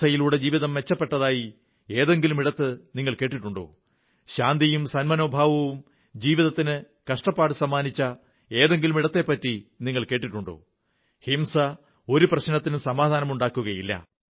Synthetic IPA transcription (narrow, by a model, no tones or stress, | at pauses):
ɐjiluːɽe̞d͡ʑiːʋiðɐmʋe̞t͡ɕːɐpːe̞ʈːɐðaːji | e̞ːðe̞ŋɡilumiɽɐt̪ːɨniŋːɐɭke̞ːʈ̬ːiʈːuɳɖo̰ː | ɕaːnd̪ijumsɐnmɐno̞ːbʱaːʋɐʋum | d͡ʑiːʋiðɐt̪ːinɨ | kɐʂʈɐpːaːɽɨsɐmːaːnit͡ɕːɐ | e̞ːðe̞ŋɡilumiɽɐt̪ːe̞ːpːɐtːiniŋːɐɭke̞ːʈːiʈːuɳɖo̰ː | himsɐ | o̞ɾuprɐɕnɐt̪ːinusɐmaːd̪ʱaːnɐmuɳɖaːkːuɣɐjilːɐ̰